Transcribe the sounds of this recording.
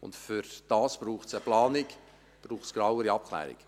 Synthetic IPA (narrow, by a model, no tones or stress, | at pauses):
ʊ̰ntfʏɾd̥ɑːsb̥ɾuːχsəplɑːnɪk | b̥ɾuːχtsɡ̥ɾawəɾiɑp̚kʰlɛ̰ːɾɪ̰k